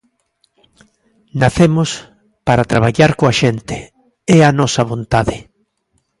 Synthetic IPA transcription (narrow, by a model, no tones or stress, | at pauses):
naθemʊs | paɾat̪ɾaβaʎaɾkoaʃent̪ɪ | ɛanɔsɐβont̪aðɪ